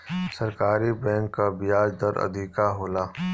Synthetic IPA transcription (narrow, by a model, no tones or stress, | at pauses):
sɐɾkaːɾibɛ̃ːŋkːabɪjaːd͡ʒd̪ɐɾɐ̰d̪ʱiːkaɦoːlaː